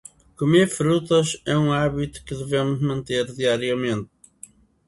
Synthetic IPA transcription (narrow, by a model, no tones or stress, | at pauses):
kumeɾfɾut̪ɐʃɛũaβit̪u̥kɨðɨvemʊʒmɐ̃nt̪eɾðiaɾiɐmẽnt̪